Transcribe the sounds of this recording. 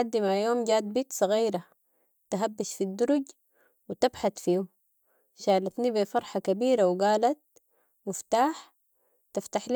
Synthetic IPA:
ad̪ːimajoːmɟaːd̪̚biːt̪sˤɑɣiːɾa | t̪aɦabːaʃfid̪ːʊɾuɟ | wit̪abħat̪fiːu | ʃaːlat̪nibifɑɾˤħakabiːɾawɡaːlat̪̚ | mʊft̪aːħ | t̪aft̪aħl

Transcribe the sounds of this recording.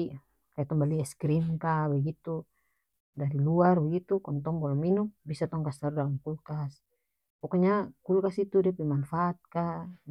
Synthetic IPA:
kajat̪ɔmbaliɛskɾinkawɛɡit̪u | daɾiluarbɛɡit̪ukɔnt̪ɔŋbɔlɔminumbisat̪ɔŋkast̪aɾdalamkulkas | pɔkɔɲakulkasit̪udiapɛmanfaːt̪̚ka

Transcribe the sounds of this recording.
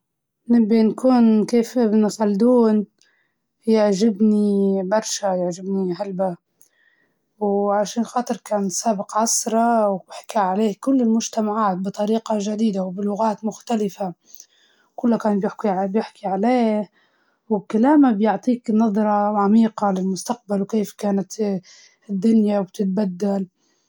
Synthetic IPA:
nɪbːinkuːnkeːfɪbnsɑld̪uːn | jɪʕʒɪbnibɑɾˤʃajɪʕʒɪbnihalba | wʕaʃaːnxɑːt̪ˤɨɾˤkaːnsaːbɪqʕɑsˤɾˤɑwbɪħkaʕaleːhkʊlːɪlmʊʒt̪amaʕaːt̪̚bɨt̪ˤɑɾiːqɑʒad̪iːd̪awbɪlʊɣaːt̪mʊxt̪alɪfa | kʊlːakaːnbjɪħbjɪħkiʕaleːh | wkalaːmabjʊʕt̪ˤiːknɑðˤɾˤɑʕamiːqɑlɪlmʊst̪aq̚balwkeːfkaːnat̪ | ɪd̪ːʊnjawb̚t̪ɪt̪̚bad̪ːal

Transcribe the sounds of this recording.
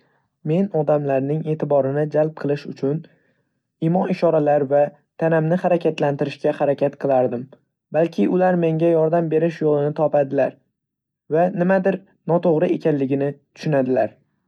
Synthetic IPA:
me̞nɒd̪amlaɾnɪŋe̞ːt̪ʰɪbɒɾɪnɪd͡ʒalˠp̚qʰɨlˠɪʃʊt͡ʃʰʊn | ɪmɒɪʃɒɾalaɾva | t̪ʰanamnɪhaɾakʲat̪lant̪ɪɾɪʃkʲahaɾakʲʰat̪̚qʰɨlˠaɾd̪ɪm | balkʲʰɪʔʊlaɾme̞ŋɡʲajɒɾd̪ambe̞ɾɪʃjolˠɪnɪt̪ʰɒpad̪ɪlaɾ | vanɪmad̪ɪɾ | nɒt̪ʰoʁɾɪe̞kʲanlɪɡʲɪnɪt̪ʰʊ̥ʃʊnad̪ɪlaɾ

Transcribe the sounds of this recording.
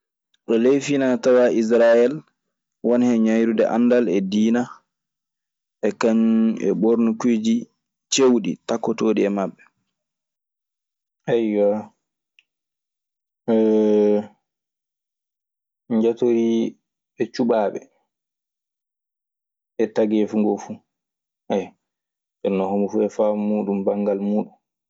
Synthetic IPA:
ɗɔlejfinatawaʔis̬ɾajɛl | wɔnhɛɲajɾudɛʔa̰nːdalɛdiːna | ʔɛkaɲɛ̰ɓoɾnukud͡ʒi | t͡ʃewɗḭtakːɔtoːɗiɛmabːɛ | ajːɔ | ɲd͡ʒatoɾi | ɛt͡ʃuɓaːɓɛ̰ | ʔɛtaɡɛfuŋɡɔfu | aj | ʔɛnːɔhomufuɛfamuːɗumbaŋɡalmuːɗun

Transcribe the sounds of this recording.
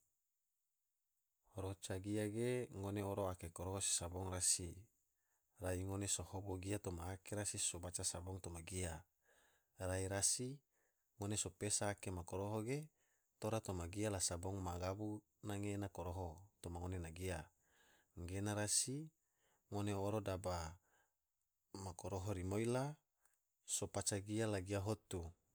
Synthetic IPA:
hoɾot͡ʃaɡiaɡeŋoneoɾoakekoɾoɦosi̥saboŋrasi | raiŋonesohoboɡiat̪omaːkeɾasisobat͡ʃasaboŋt̪omaɡia | raiɾasi | ŋonesopesaːkemakoɾoɦoɡe | t̪oɾat̪omaɡialasaboŋmaɡabu | naŋenakoɾoɦot̪omaŋonenaɡia | ŋɡenaɾasi | ŋoneoɾodaba | makoɾoɦoɾimoila | sopat͡ʃaɡialaɡiaɦot̪u

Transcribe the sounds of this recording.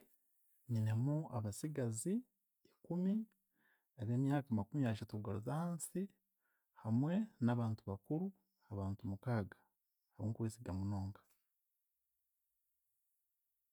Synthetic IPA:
ɲine̞muaβasiɡazi | ikumi | aβeːmjaːkamakumijaʃ̬atuɡaɾozahaːnsi | hamwe̞naβaːntuβakuɾu | haβaːntumukaːɡḁ | haβoːŋkuweːsiɡamuno̞ːŋkḁ

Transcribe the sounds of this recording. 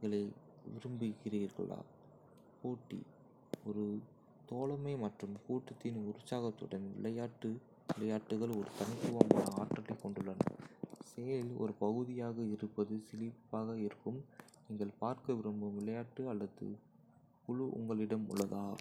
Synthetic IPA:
iŋɡɐɭɐɪ | ʋɪɾɯmbɯɣɪriːɾɣɐ̰ɭa̰ː | koːʈːḭ | ɔɾɯ | t̪oːɭɐmɐɪmɐʈrɯmkuːʈːɯt̪ːɪnʊɾʊsaːɣɐt̪ːɯɽɐnʋɪ̰ɭɐjaːʈːɯ | ʋɪlɐjaːʈːɯɣɐɭɔɾɯt̪ɐnk̪ːɯʋɐma̰ːnɐaːʈːɐlɐɪkːɔɳɖɯɭːɐnɐ̰seːlɔ̰ɾɯpɐɣɯðɪjaːɣɐɪɾɯpːɐðɯsɪlɪpːaːɣɐɪɾɯkːɯm | niːŋɡɐɭpaːɾkɐʋɪɾɯmbɯʋɪɭɐjaːʈːɯɐlːɐðɯ̰ | kʊɻʊʔʊ̰ŋɡɐɭɪɽɐmʊ̰ɭːɐðaː

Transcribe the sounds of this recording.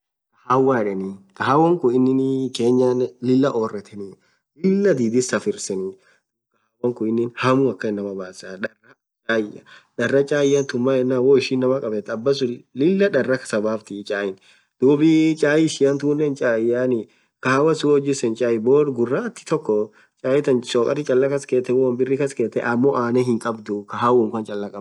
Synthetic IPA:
kɐhaːwːaːɪᶑɛnikɐɦawːɐŋkʊɪnːɪnke̞ːɲːaːnlɪlːɐʔoːrːɛt̪ʰɛni | lɪlːɐd̪iːd̪ɪsɐfɪɾsɛnɪ | kɐhawɐŋkʊɪnːɪnhɐmuɐkːɐɪnːɐmɐbaːsaᶑɐrːɐ | t͡ʃʼaːjɐ̰ᶑɐrːɐt͡ʃʼaːjɐnt̪ʊmːaːɛnːaːwɔɪʃinːɐmɐkʼɐbɛt̪ːɐbːɐsʊlɪlːɐᶑɐrːɐkɐ̥sɐbaːft̪ɪt͡ʃʼaːjɪn | d̪̥uːbɪt͡ʃʼaːjɪsɪjɐnt̪uːnːɛnt͡ʃʼaːjaːnɪ | kɐhaːwɐsʊɔd͡ʒɪsɛnt͡ʃʼaːjɪboːɾɡʊrːat̪ːɪ̥t̪ɔkːɔ | t͡ʃʼaːjɛt̪ɐnsoːkʼɐ̰ɾɪt͡ʃʼɐlːɐkɐskeːt̪ːɛwɔwɐmbɪrːɪkɐskeːt̪ːɛ̰ʔɐmːoʔaːnɛɦɪŋkʼɐbd̪ʊkɐɦawʊŋkɐnt͡ʃʼɐlːɐkʼɐ

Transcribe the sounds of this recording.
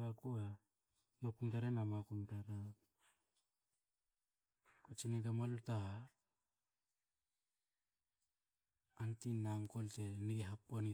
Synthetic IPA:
akua | makuntaɾenamakuntaɾa | kot͡ʃinitamaluta | antinaŋkolteniɡeɦapːoni

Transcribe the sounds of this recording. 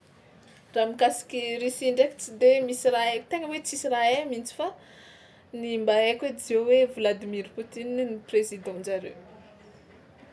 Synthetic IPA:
ramikasi̥kʲirisiɳɖ͡ʐeki̥t͡sid̪emisiraekit̪eŋəwet͡sisiraelmint͡si̥fa | nimbaekwed͡zewevilad̪imiɾput̪ininiprezid̪ɑ̃nd͡ʒaɾḛw

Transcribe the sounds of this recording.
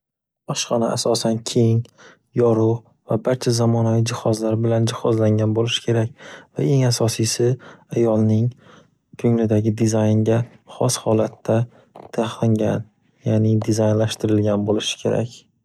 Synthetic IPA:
bɒʃqɑnaʔasɒsankʲʰeŋ | jɒɾʊ | vabaɾt͡ʃʰazamɒnavijd͡ʒɪhɒzlaɾbɪland͡ʒɪhɒzlaŋɡʲanbolɪʃɪ̥kʰʲe̞ɾak̚ʲva̰e̞ŋasɒsijsɪajɒlˠnɪŋ | kʰɵŋlɪd̪aɡʲɪd̪ɪzajnɡʲaχɒshɒlat̪ʰːa | t̪ʰaχlɪŋɡʲan | jaːnɪd̪ɪzajnlaʃt̪ɪɾɪlɡʲanbolɪʃɪ̥kʲʰe̞ɾa̰kʲ

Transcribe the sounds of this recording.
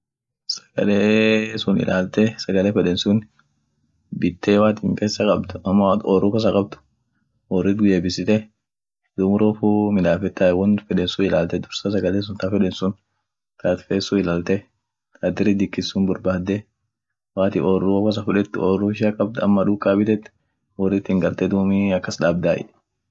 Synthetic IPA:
sɐ̥ɡ̥ɐleːsʊnɪ̰lʔaːlt̪ɛsɐɡɐleːfɛᶑɛnsʊn | bɪt̪ʰːeːwaːt̪ɪŋkʼeːsːɐkʼɐb̚t̪ʊ̥ɐmːat̪ɔrːuːkɐs̬ɐkʼɐb̚t̪ʊ̥ | ʔɔrːɪt̪ɡʊjeːbɪsɪt̪ɛ | d̪ʊmʊɾofumɪd̪aːfɛt̪ːaɛwɔnfɛᶑɛnsʊɪlaːlt̪ɛd̪ʊɾsɐs̬ɐɡɐleːs̬ʊnt̪afɛᶑɛnsʊn | t̪aːt̪feːsʊɪlaːlt̪ɛ | t̪ad̪ɪɾɪd̪ɪkːɪsːʊnbʊɾbaːd̪ːɛ | waːt̪ɪɔrukɐs̬ɐfʊᶑɛt̪ːɔːrːuɪʃakʼɐb̚t̪ɐmːɐᶑʊkːaːbɪt̪ɛt̪ː | ɔrːɪt̪ːɪŋɡɐlt̪ɛd̪uːmiɐkːɐsᶑaːbd̪aːʔɪ̰ᶑ̥

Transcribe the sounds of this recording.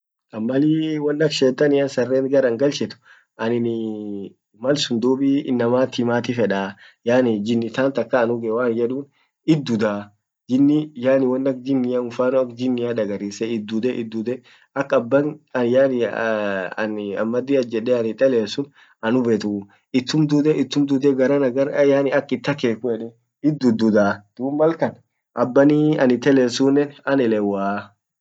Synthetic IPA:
ɐmːɐliːwɐnːɐkʃeːt̪ːɐnɪjaːnsɐrːeːnɡɐɾɐŋɡɐlt͡ʃɛt̪ʊ̥ | ʔɐnɪn | mɐlsʊnd̪uːbiːɪ̰nːɐmaːt̪ːɪmaːt̪ɪfɛᶑaː | jaːnɪd͡ʒɪnːɪt̪aːnt̪ɐkːaːnʊɡɛwaːnd͡ʒɛᶑuːn | ɪd̪ːʊd̪aː | d͡ʒɪnːɪjaːnɪwɐnːɐk̚d͡ʒɪnːɪjaʊfaːnʊɐkd͡ʒɪnːɪjaːd̪ɐɡɐɾiːsɛɪd̪ːʊd̪ɛʔɪd̪ːud̪ɛ | ɐkːɐbːɐnɐjanɪ | ɐ̰nɐ̰mːɐd̪ːiɐd͡ʒɛᶑːɛɐnɪt̪ʼːɛleːsʊn | ɐnʊbet̪ʊ | ɪt̪ːʊmd̪ud̪ɛʔɪt̪ːʊmd̪ʊd̪ɛɡɐɾanɐɡɐjaːnɪɐkːɪt̪ːɐkeːkʊɛᶑɛ | ɪd̪ːʊd̪ʊd̪ad̪̥uːmmɐlkɐn | ʔɐbːɐniɐnɪt̪ɛleːsʊnːɛnɐnɛlɛwaː

